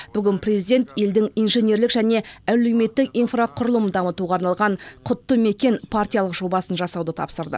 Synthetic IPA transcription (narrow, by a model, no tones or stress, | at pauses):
b̥ʏɡʲɪnprʲezijd̪e̞nt̪je̞ld̪ɪŋijnʒe̞nʲe̞ɾlɪkʒæne̞æle̞wme̞t̪ːɪkijnfraqʰʊɾəlˠəmd̪ɑmət̪uʁɑːɾnɑlˠʁɑɴqʰʊt̪ːəme̞kʲe̞npʰartʲijɑlˠəqʒo̞bɑsənʒɑsɑwd̪ət̪ʰɑ̰psəɾd̪ə̰